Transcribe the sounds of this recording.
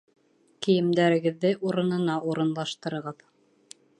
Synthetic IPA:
kĭjɘ̆md̪æɾɘ̆ɡɘ̆ðːɘʔuɾɤ̆nɤ̆nɑʔuɾɤ̆nlˠɑʃt̪ɤ̆ɾɤ̆ʁɤð

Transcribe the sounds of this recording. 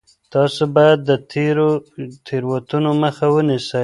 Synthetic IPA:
t̪ɑsobɑjad̪ːət̪ʰeɾot̪ʰeɾwat̪unoməxawənisə

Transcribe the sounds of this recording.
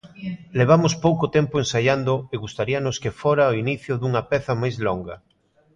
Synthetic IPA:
leβ̞amʊspowkot̪ɛmpoensaʎand̪oeɣust̪aɾiɐnʊskefoɾaoiniθjʊðuŋɐpɛθɐmajzloŋɡɐ

